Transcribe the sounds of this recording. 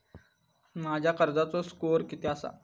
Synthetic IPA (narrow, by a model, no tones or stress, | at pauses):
mad͡ʑʱjakəɾd͡zat͡soskoɾkit̪easa̰